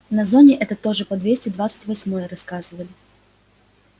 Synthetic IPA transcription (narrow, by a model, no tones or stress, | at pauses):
nɐzonʲɪʔɛt̪ət̪o̞ʐɨpɐd̪vʲesʲtʲɪd̪vat̪sɨ̥tʲvɐsʲmo̞jəɾɐskazɨvəlʲɪ